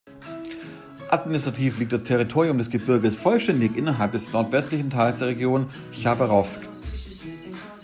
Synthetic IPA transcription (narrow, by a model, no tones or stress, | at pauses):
ʔatminɪstʁ̥atʰiːfliːk̚td̥astʰɛʁ̞itʰoːʁiʊmdɛsɡ̥əbɪɐɡəsfɔlʃtɛndɪçʔɪnɐɦalp̚d̥ɛsnɔɐtv̥ɛstlɪçn̩tʰaɪlsd̥eːɐʁ̞eɡjoːn | çabəʁɔfsk